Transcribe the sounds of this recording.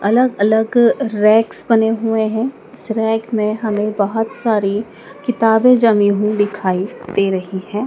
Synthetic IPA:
ɐləɡɐləɡɾɛːksbɐneɦʊeɦɛ̃ | ɪsɾɛːkmẽɦɐmẽbɐɦɔt̪saːɾi | kɪt̪aːbẽd͡ʒɐmĩɦũd̪ɪkʰaːid̪̥eːɾɐɦihɛ̃ː

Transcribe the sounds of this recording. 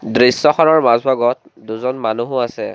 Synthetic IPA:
dɹisːɔxɔnɔɹmazbʱaɡɔt̚duzɔnmanuɦʊasɛ

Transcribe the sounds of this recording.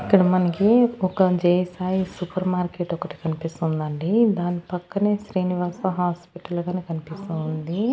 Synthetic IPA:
ikːɐɽɐmɐnɐkiɔkɐd͡ʒeːjɐsaːjisupɐɾmaːɾkeːʈɔkɐʈi̥kɐnipist̪und̪ɐɳɖid̪aːnipɐkːɐneːʃɾiːniʋaːsɐɦaːspiʈɐlɐɡaːneːkɐnipist̪und̪i

